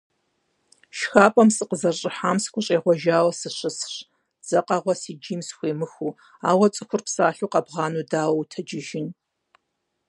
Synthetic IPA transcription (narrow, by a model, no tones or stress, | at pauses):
ʃxaːpʼɐmsʼɨqəzɐrɕʼɪħaːmskʷʰʊɕʼeːʁʷɔʒaːwɐsɨɕɨsɕ | d͡zɐqʼɐʁʷɔsiːd͡ʒiːmsxʷeːmɨxuː | aːwɐt͡sʼɨxʷʊrpsaːɬuːqɐbʁɑːnudaːwɐwutʰɐd͡ʒɪʒɪn